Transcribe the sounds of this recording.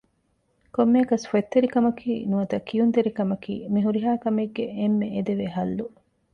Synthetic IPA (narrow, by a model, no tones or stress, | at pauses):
komːeːkɐsfuet̪ːeɾikɐmɐkʰiːnuɐt̪ɐkːijunt̪eɾikɐmɐkḭːmiɦuɾiɦaːkɐmeɡːeemːeed̪eʋeɦɐlːu